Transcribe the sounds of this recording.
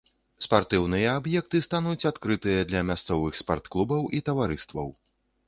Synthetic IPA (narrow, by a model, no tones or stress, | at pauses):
spart̪ɨwnɨjɐːbjɛk̚t̪ɨst̪anut͡sʲat̪kɾɨt̪ɨjɐd̪lʲɐmʲast̪sɔvɨxspart̪klˠubɐwʔit̪ɐvaɾɨst̪vɐ̰w